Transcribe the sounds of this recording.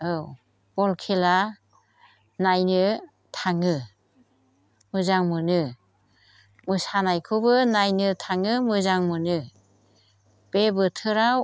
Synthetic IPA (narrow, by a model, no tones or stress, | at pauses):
ɯw | b̥ɔlkʰela | najnɯ | tʰaŋɯ | mɯzaŋmɯnɯ | mɯsanajkʰɯbɯnajnɯtʰaŋɯmɯzaŋmɯnɯ | b̥ebɯtʰɯɾaw